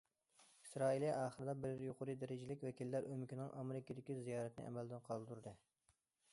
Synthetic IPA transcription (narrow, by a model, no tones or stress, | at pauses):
isɾɑːilˠijɑːχəɾɨd̪ɑbɪɾjoqʊɾɨd̪æɾɪd͡ʒɪlɪkʲwɛkʲilːæɾʔømɪkʲinɪŋʔɑmeɾɪkʲid̪ɪkʲizijɑːɾɛt̪nɪ̰ʔɛ̰mɛld̪ɪnqʰɑlˠt̪uɾd̪ɨ